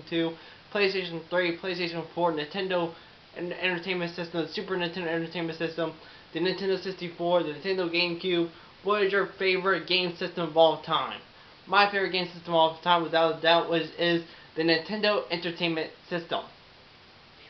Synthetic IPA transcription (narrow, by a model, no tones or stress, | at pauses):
ntʰʉ | pʰl̥eɪsteɪʃn̩θɹipʰl̥eɪsteɪʃɨ̃nfɔɹnɨ̃ntʰɛ̃ndoʊ | ɛ̃ntə˞tʰẽɪ̃nmɨ̃ntsɪstə̃m̩ðɨsʉpə˞ɛ̃nətʰɛ̃ndoʊɛ̃tə˞tʰẽɪ̃mɨ̃ntsɪstə̃m | ðɨnɨ̃ntʰɛ̃ndoʊsɪkstifɔɹðɨnɨ̃ntʰɛ̃ndoʊɡẽɪ̃mkʰj̥ʉb | wʌɾɨzjə˞feɪvə˞ɨt̚ɡ̥ẽɪ̃msɪstə̃mʌvɔlˠtʰãɪ̃mː | aɪfeɪvə˞t̚ɡẽɪ̃msɪstə̃mɔlˠtʰãɪ̃mwɨðaʊɨdaʊʔwʌd͡ʒɪzðɨnɨ̃ntʰɛ̃ndoʊʔɛ̃ntə˞tʰẽɪ̃nmɨ̃ntsɪstə̰̃m